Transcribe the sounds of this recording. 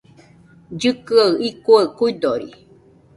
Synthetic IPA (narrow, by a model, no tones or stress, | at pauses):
d͡ʒɨkɨaɨikuakuid̪oɾḭ